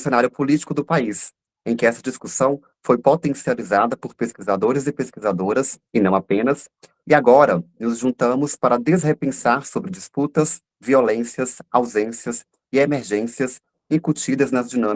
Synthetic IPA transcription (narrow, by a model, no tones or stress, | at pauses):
sẽnaɾjʊpolit͡ʃi̥kʊd̪ʊpais | ẽj̃kɪɛsɐd͡ʒiskusɐ̃w̃ | fojpot̪ẽsializad̪ɐpʊɾpeskizad̪oɾɪzɪpeskizad̪oɾɐsɪnɐ̃w̃apẽnɐs | ɪaɡɔɾɐnʊzʒũnt̪ɐ̃mʊspaɾɐd̪ezhepẽsaɾsobɾɪd͡ʒisput̪ɐs | violẽsiɐsawzẽsiɐs | ɪemeɾʒẽsiɐs | ĩkut͡ʃid̪ɐznɐzd͡ʒinɐ̃m